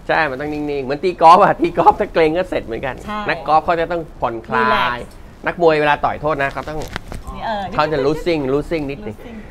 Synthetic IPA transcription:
t͡ɕʰaː˥˩jma˧nt̪ɔ˥˩ŋni˥˩ŋni˥˩ŋmɯ˩˦nt̪iː˧kɔː˦˥p̚ʔa˨˩t̪iː˧kɔː˦˥p̚t̪ʰaː˥˩kleː˧ŋkɔː˥˩se˨˩t̪̚mɯ˩˦nka˧nːa˦˥kːɔː˦˥p̚kʰa˥˩t͡ɕa˨˩t̪ɔ˥˩ŋkʰo˩˦nkʰlaː˥˩laː˦˥j | nʔa˦˥k̚mu˧əjweː˧laː˧t̪ɔ̰˨˩jt̪ʰoː˥˩t̪̚na˦˥kʰa˦˥wt̪ɔ˥˩ŋ | kʰa˥˩t͡ɕa˨˩ɾuː˦˥si˥˩ŋɾuː˦˥si˥˩ŋni˦˥t̪̚ni˧˩ŋ

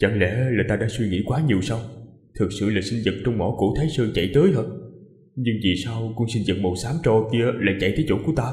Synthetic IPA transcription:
t͡ɕə˧˩ŋlɛ̰˧˥laː˨˩t̪aː˧ɗa̰ː˧˥swi˧ŋḭ˧˥kwaː˨˦ɲi˨˩əwsa˧w | t̪ʰɨ˨˩k̚sɨ̰˧˨laː˨˩sï˧nzɨ̰˨˩t̚t͡ɕɔ˧wŋ͡mmɔ˧˥kṵ˧˥t̪ʰaː˨˦jsɨ˧t͡ɕa̰˧˨jt̪əː˨˦jɦəː˧˩ | ɲɨ˧ŋvi˨˩saː˧wkʊ̰˧˥ŋ͡msï˧nzɨ̰˨˩t̚mo˨˩t̚saː˨˦mt͡ɕo˧˩ki˧əla̰ː˨˩t͡ɕa̰˧˨jt̪ʰə˨˦jt͡ɕo˧˩ku˧˩ət̪aː˧

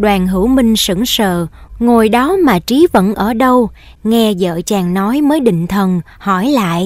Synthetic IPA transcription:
ɗwaː˨˩nɦɨ˧˩wmï˧ŋ̟sɨ̰˧˩ŋsə̰ː˧˨ŋo˨˩jɗɔ˨˦maː˨˩t͡ɕi˨˦və̰˧˥nʔəː˧˩ɗə˧w | ŋɛ˧zə̰ː˧˨t͡ɕaː˨˩ŋnɔ˨˦jməː˨˦jɗḭ̈˧˨ŋ̟t̪ʰə˨˩n | hɔ˧˩jla̰ː˧˨jʔ

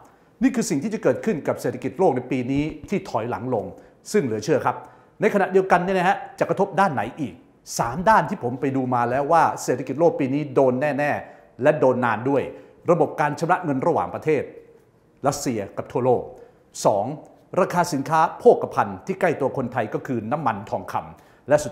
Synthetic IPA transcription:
niː˥˩kʰɯː˧si˨˩ŋt̪ʰiː˥˩t͡ɕa˨˩kɤː˨˩t̪̚kʰɯ˥˩nka˨˩p̚seː˨˩t̪ʰki˨˩t̪̚loː˥˩k̚na˧˥jpiː˧niː˦˥t̪ʰiː˥˩t̪ʰɔ˩˦jla̰˨˩˦ŋlo˧ŋ | sɯ˥˩ŋlɯ˨˩˦ɐt͡ɕʰɯ˥˩ɐkʰa˦˥p̚ | na˧jkʰa˧na˨ʔdi˧əwka˧nːiː˦˥˩n˦˥ha˦˥t͡ɕa˨˩kɾa˧t̪ʰo˦˥p̚daː˥˩nːa˩˦jʔiː˨˩k̚ | sa̰ː˩˦mdaː˥˩nt̪ʰiː˥˩pʰo˩˦mpa˧jduː˧maː˧lɛː˦˥waː˥˩se˨˩t̪ʰːa˧ki˨˩t̪̚loː˥˩k̚piː˧niː˦˥doː˧nːɛː˥˩nɛː˥˩ | lɛ˦˥doː˧nːaː˧ndu˥˩əj | ɾa˧bo˨˩p̚kaː˧nt͡ɕʰa˧mɾa˦˥ʔŋɤ˧nɾa˧wa̰ː˨˩ŋpɾa˧t̪ʰeː˥˩t̪̚ | ɾa˦˥t̪̚si˧ɐka˨˩p̚t̪ʰu˥˩ɐloː˥˩k̚ | sɔ̰ː˩˦ŋ | ɾaː˧kʰaː˧si˨˩˦nkʰaː˦˥pʰoː˥˩kːa˧pʰa˧nt̪ʰiː˥˩ka˥˩jt̪u˧ɐkʰo˧nt̪ʰa˧jkɔː˥˩kʰɯː˧na˦˥mːa˧nt̪ʰɔː˧ŋkʰa̰˧m | lɛ˦˥ʔsu˨˩

